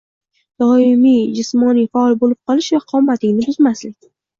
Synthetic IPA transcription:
d̪̥ɒɪmijd͡ʒɪsmɒnijfaɒlˠbolɪp̚qʰɒlˠɪʃvaqʰɒmːat̪ʰɪŋʲnɪbʊzmaslɪkʲ

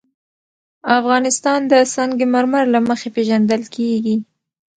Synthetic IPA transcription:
afɣɑnɪst̪ɑnd̪əsɑŋɡemaɾmaɾlaməxepeʒand̪əlkʰeɡi

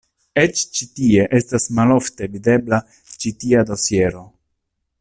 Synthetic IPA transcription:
et͡ʃt͡ʃitie̞ʔestasmalo̞fte̞vid̪e̞bla | t͡ʃitiado̞sje̞ɾo̞

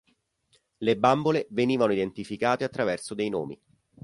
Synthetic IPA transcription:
lebamboleveniːvanoid̪ent̪ifikaːt̪eat̪ːɾavɛrsod̪ejno̰ːmḭ

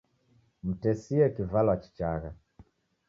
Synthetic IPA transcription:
m̩tɛsiɛkivalwat͡ʃi̥t͡ʃaɣa

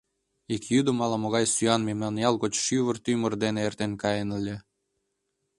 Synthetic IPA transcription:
ikjyd̪əmɑlɑmoɣɑjsyɑnmemnɑnjɑlkot͡ɕʃyβərt̪ymərd̪eneert̪enkɑjenəlʲːe

